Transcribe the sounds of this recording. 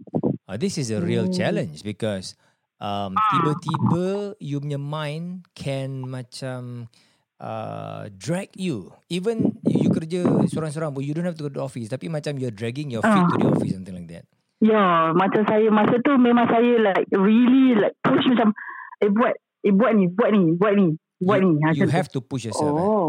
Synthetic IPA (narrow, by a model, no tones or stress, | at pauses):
ad̪isɪsəɹiəlt͡ʃɛlə̃nt͡ʃbikɔs | ʔãmt̪ibət̪ibəjumɔmãjnkʰɛ̃nmat͡ʃãm | ʔə̰dɹɛkju | ivə̃nifjukəɾd͡ʒəsoɾãŋs̬oɾãŋbɔjudõnhɛft̪uɡotuɔfist̪apimat͡ʃamjuadɹɛɡĩŋjɔafait̪udḭɔ̰fisãmt̪ĩŋlajk̚d̪ɛ̰t̚ | jamãt͡ʃamsajəmasət̪umẽmãŋsajəlajk̚ɹililajk̚puʃmat͡ʃamebuat̚ | ebuat̚nibuat̚nibuat̚ni | buat̚nimajuaɦɛft̪upuʃjɔsã